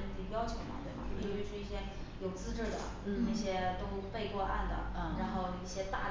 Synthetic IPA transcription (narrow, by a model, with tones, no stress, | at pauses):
n̩˥˩t̪ʰi˨˩ŋjɑ˥ʊt͡ɕʰjo˨˧˥ʊmɐ̰˧t̪we˥˩bɐ̰˩˥˩ʂwɔ˥i˥˩ɕjɛ˥ | jo˨˩ʊt͡sɹ̩˥ʈ͡ʂɻ̩˥˩d̪ə̰˩n̩˧˩na˥˩ɕjɛ˥t̪o˥pe˥˧ɪkwɔ˥˧ʔa̰˥˩nd̪ə̰˩n̩˥˩ɻa˧˥nxo˥˧ʊi˥˩ɕjɛ˥t̪a̰˥˩